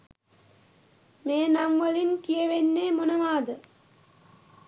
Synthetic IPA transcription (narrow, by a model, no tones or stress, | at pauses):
meːnamʋəlinkijeʋenːeːmonəʋaːd̪ə